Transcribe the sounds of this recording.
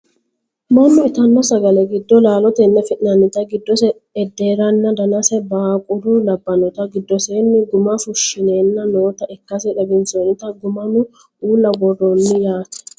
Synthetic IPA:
mɐnːɔɪt̪ɐnːɔsɐɡɐlɛɡɪd̪ːɔlaːlɔt̪ɛnːɐfɪʔʼɪnɐnːɪt̪ɐɡɪd̪ːɔsɛ | ɛd̪ːe̞ːɾɐnːɐd̪ɐnɐsɛbɐkʼʊd̪ʊlɐbːɐnɔt̪ɐɡɪd̪ːɔseːnːɪɡʊmɐfʊʃːɪneːnːɐnoːt̪ɐʔɛkːɐsɛᶑɛbɪnsonɪt̪ɐɡʊmɐnʊ | uːlːɐbɔd̪ɔnːɪjaːt̪ɛ̥

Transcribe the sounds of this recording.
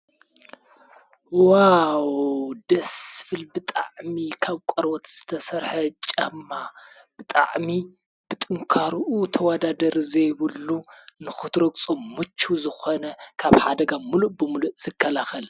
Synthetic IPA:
wawd̪̥ɐsfɨlbɨt̪ʼa̰ʕmikʰaβkʷʼɐɾwot̪z̥ɨt̪ʰɐsɐɾħɐt͡ʃʼɐmːa | b̥ɨt̪ʼa̰ʕmi | b̥ɨt̪ʼɨŋkʰaɾʔut̪ʰɐwad̪ad̪ɐɾzɐjβɨlːunɨxɨt̪ɾoɡʼt͡sʼomːɨt͡ʃʰːuzɨxonɐkʰaβħad̪ɐɡamuluʔbɨmuluʔz̥ɨkʰːɐlaxɐl

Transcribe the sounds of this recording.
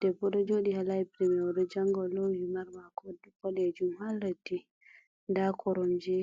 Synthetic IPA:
d̥ɛbɔɗɔd͡ʒoɗihalaipɾɛmɛwɔɗɔd͡ʒaŋɡɔlowimaɾmakɔdbɔɗɛd͡ʒumhalːatːi | ndakʰɔɾɔmd͡ʒɛ

